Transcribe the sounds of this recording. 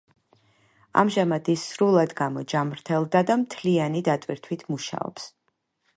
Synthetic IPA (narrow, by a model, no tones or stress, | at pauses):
a̰mʒamad̪isːɾulˠad̪ɡamɔd͡ʒamɾt̪ʰɛlˠd̪ad̪amt̪ʰlianid̪at̪ʼwiɾt̪ʰwit̪ʰmuʃa̰ɔ̰ps